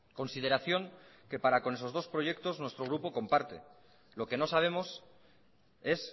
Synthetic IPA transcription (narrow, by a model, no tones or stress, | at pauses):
ko̞nsið̞e̞ɾaθjo̞ŋke̞paɾako̞ne̞s̬o̞zðo̞spɾo̞ʝe̞k̚t̪o̞znwe̞st̪ɾo̞ɣ̞ɾupo̞ko̞mpaɾt̪e̞̰ | lo̞ke̞no̞saβ̞e̞mo̞s | e̞s